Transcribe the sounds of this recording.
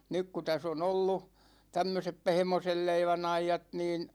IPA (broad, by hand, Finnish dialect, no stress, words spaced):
nyk ku tæs on olːu tæmːøsep pehmosel leiʋæn ɑjːɑt niːn